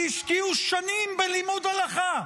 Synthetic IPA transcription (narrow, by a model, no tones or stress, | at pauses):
iʃkiuʃanimbelimud̪alaχa